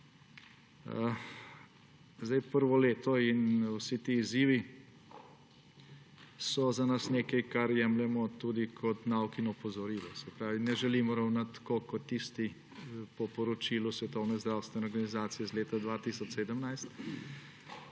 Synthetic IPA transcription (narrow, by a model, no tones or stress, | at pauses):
zd̪ɛjpəɾʋɔleːt̪ɔinwsit̪iːziːʋi | sɔzanasneːkɛjkaɾjɛmlɛmɔt̪ud̪ikʰɔt̪nawkinɛpɔzɔɾiːlɔsɛpɾaːʋinɛʒɛliːmɔɾawnat̪ːkokɔt̪ːist̪i | pɔpɔɾɔt͡ʃiːlusʋɛt̪ɔwnɛzd̪ɾawst̪ʋɛnɛɔɾɡanizaːt̪sijɛzleːt̪ad̪ʋaːt̪isɔt͡ʃseːd̪əmnajst̪